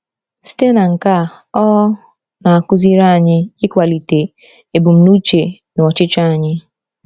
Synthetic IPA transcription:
si̥˦te˦na˨ŋ̩˨ka˦˨ | ɔ˦ | na˨a˨kʊ˦zi˦ɾa˦a˨ɲɪ˦ɪ˦kʷa˨li˨te˨ | e˨bʊ˨m̩˨nu˦t͡ʃe˨nʊ˨ɔ˨t͡ʃɪ˦t͡ʃa˦a˨ɲɪ˦

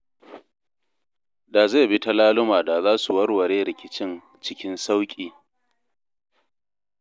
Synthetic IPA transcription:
da˨za˦˨bi˦ta˦laː˦lʊ˦maː˨da˨zaː˦su˨wɐ˦rwɐ˨ɽeː˦ɾɪ˨kʲɪ˦t͡ʃɪ˦n | t͡ʃɪ˦kʲɪ˦nsa˦wkʲʼiː˨

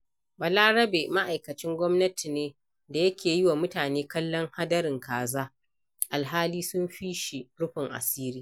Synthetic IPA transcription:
bɐ˨laː˦ɽɐ˦beː˨ma˦ʔa˨jkɐ˨t͡ʃɪ˦ŋɡʷɔ˦mnɐ˦ti˨neː˦ | da˨jɐ˦kʲʰeː˨jɪ˦waː˨mʊ˦taː˨neː˦kɐ˦lːɔ˦ŋha˦dɐ˦ɾɪ˨ŋkaː˨zaː˦ | ʔa˨lɦaː˦liː˦sʊ˦mɸiː˦ʃi˨ɽʊ˦ɸɪ˨ŋʔa̰˨siː˦ɾiː˦

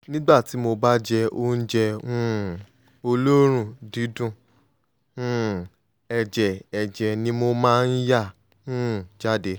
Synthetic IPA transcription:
nĩ˦ɡ͡ba˦˨ti˨˦mo˧ba˦d͡ʒɛ˧o˧˦n̩˦d͡ʒɛ˧ũ˦ | o˧lo˦ɾ̃ũ˦˨dĩ˨˦dũ˦˨ | ũ˦˨ | ɛ˧d͡ʒɛ˨ɛ˧d͡ʒɛ˧nĩ˦mo˧mãː˦˧n̩˦ja˦˨ | ũ˦˨d͡ʒa˦de˧˦

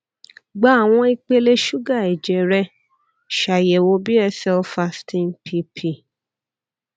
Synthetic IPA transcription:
ɡ͡ba˨˦a˨w̃ɔ̃˧i˧k͡pe˧le˧ʃu˦ɡa˦˨ɛ˨d͡ʒɛ˨ɾɛ˧˦ | ʃa˨jɛ˨wo˧˦bi˦ɛ˧sɛ˧fa˧stʰĩ˧npʰi˧pʰi˦˨

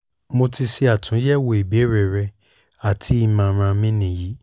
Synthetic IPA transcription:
mo˧ti˧si˧a˨tʰũ˨˦jɛ˦˨wo˧˨e˨be˨˦ɾɛ˨ɾɛ˧ | a˨tʰi˨˦i˦˧mã˧ɾ̃ã˧mĩ˦nĩ˨ji˨˦

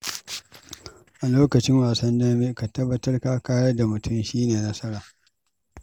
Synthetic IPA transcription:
ʔa˨loː˦kɐ˨t͡ʃɪ˦ŋwaː˨sɐ˦ndɐ˦me˦ka˨tɐ˦bːɐ˦tɐ˦rkaː˦kaː˦jɐ˦da˨mʊ˨tʊ˦mʃiː˦neː˨nɐ˦sɐ˦ɾaː˨

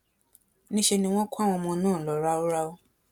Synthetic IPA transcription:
nĩ˦ʃe˧nĩ˧w̃ɔ̃˦ku˦a˦˨w̃ɔ̃˧mɔ̃˧nãː˦˨lɔ˨ɾa˦o˦ɾa˦o˦

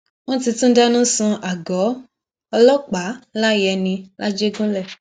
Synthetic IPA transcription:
wɔ̃˦ti˧tũ˦da˦nũ˦sũ˧ʔa˨ɡɔ˨˦ | ɔ˧lɔ˦k͡pa˨˦la˦jɛ˧nĩ˧la˦d͡ʒe˦ɡũ˦lɛ˦˨

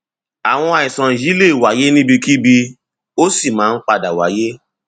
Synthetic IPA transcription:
a˨w̃ɔ̃˧a˨i˨sã˨ĩ˨d͡ʒi˨˦le˦˨wa˨˦je˦nĩ˦bi˧ki˦bi˧ | o˦si˦˨mãː˦˧n̩˦k͡pa˧da˨wa˨˦je˦

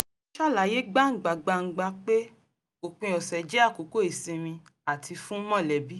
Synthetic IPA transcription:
ʃa˦˨la˨je˦ɡ͡ba˦ŋ̩˨ɡ͡ba˨ɡ͡ba˧ŋ̩˨ɡ͡ba˧k͡pe˦ | o˨k͡pĩ˧ɔ˨sɛ˨d͡ʒɛ˦a˦˨ko˨˦ko˦i˨sĩ˧mĩ˧ | a˨tʰi˧fũ˦mɔ̃˦˨lɛ˨bi˦

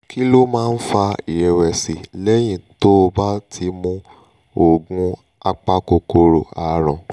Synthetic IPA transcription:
kʰi˦lo˦mãː˦˧n̩˦fa˧i˨ɾɛ˨wɛ˨si˨lɛ˦j̃ĩ˦˨to˦o˧ba˦tʰi˧˦mũ˧ | o˨ɡũ˧˦ | a˧k͡pa˦ko˧ko˧ɾo˨a˨ɾ̃ɔ̃˨

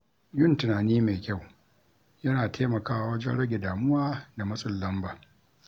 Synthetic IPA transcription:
jʊ˦˨ntɪ˨naː˨niː˦meː˨kʲa˦˨w | jɐ˦naː˨tʰeː˦mɐ˨kaː˦wa˨wɐ˦d͡ʒɛ˦nɽɐ˦ɡʲe˨daː˨mʊ˦waː˦da˨mɐ˦sʼʊ˨lːɐ˦mbaː˨

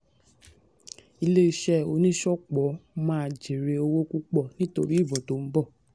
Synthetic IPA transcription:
i˧le˦i˧ʃɛ˦o˧nĩ˦ʃɔ˦k͡pɔ˨˦mãː˦a˧d͡ʒe˨ɾe˧o˧wo˦ku˦k͡pɔ˦˨nĩ˦to˧ɾi˦˨bɔ˨to˨˦m̩˦bɔ˦˨

